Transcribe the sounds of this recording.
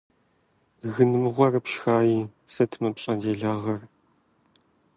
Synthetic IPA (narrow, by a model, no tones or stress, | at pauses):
ɣɨnɨmɨʁʷɐrɨpʃxaːjiːsɐtʰmɐpɕʼɐdeːɮaːʁɐr